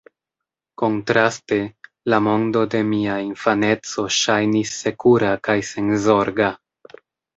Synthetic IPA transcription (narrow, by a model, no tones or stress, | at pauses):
ko̞ntɾaste̞ | lamo̞ndo̞de̞miainfane̞t͡so̞ʃajnisːe̞kuɾakajse̞nzo̞ɾɡa